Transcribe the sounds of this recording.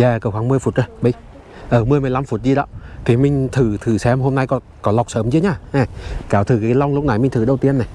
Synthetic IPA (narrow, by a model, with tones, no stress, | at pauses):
zaː˧˩kə˧˩wxaː˨˧˦ŋmɨ˧əjfu˨˩t̚zəː˧jɓi˧˩j | ʔəː˧˩mɨ˧əjm˨əjla˧mfu˨˩t̚zi˧ɗɔ̰ː˧˦t̪ʰi˨˩mï˧ŋ̟t̪ʰɨ˧˩t̪ʰɨ˨˩sɛ˧mɦo˧mna˧jkɔ˨˦ | kɔ˨˦la˨˩wk͡p̚səː˨˦mzi˧˦ɲaː˧˩ʔɛ˨˩kaː˨˩wt̪ʰɨ˨˩ka˨˦la˧wŋ͡mlʊ˦˥k͡p̚na˨˩jmï˧ŋ̟t̪ʰɨ˨˩ɗə˧wt̪i˧ənːɛ˨˩